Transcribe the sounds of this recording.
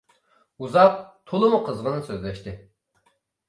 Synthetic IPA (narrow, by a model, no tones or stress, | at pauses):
uzɑq̚t̪ʰolˠɨmuqʰəzʁənsøzlɛʃt̪ʰɪ